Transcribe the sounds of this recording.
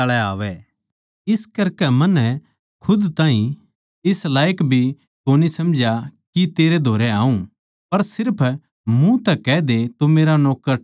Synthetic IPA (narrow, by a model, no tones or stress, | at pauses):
əɭɛaːʋɛː | ɪskɐɾkɛmɐnɛ | kʰʊd̪t̪aːɦĩ | ɪslaːjəkbʱi | koːnisɐmd͡ʒʱakit̪eːɾed̪ʱoːɾɛaːũ | pɐɾsɪɾpʰ | mũt̪ɛkɛːd̪et̪omeːɾanɔːkːəɾ